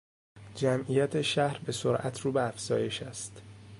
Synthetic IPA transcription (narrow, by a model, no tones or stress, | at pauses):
d͡ʒæmijæt̪ʰeʃæhɾbe̞soɾʔæt̪ʰɾuːbeæfz̥ɒːje̞ʃæst̪